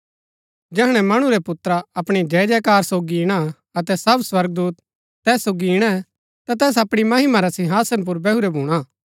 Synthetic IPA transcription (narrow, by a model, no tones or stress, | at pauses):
d͡ʒɛːɦɽ̃ɛ̃mɐɽ̃ũɾɛpʊt̪ɾaɐpɽ̃id͡ʒɛːd͡ʒɛkaːɾsoːɡiɪɽ̃a | ɐt̪̬ɛsɐbswɐɾɡ̚d̪uːt̪ː | ɛːsːoːɡiɪɽ̃ɛ | t̪at̪ɛːs̬ɐpɽ̃imɐɦɪmaɾasɪ̃ɦaːsənp̬ʊɾbɛɦuɾɛbʱuːɽ̃aː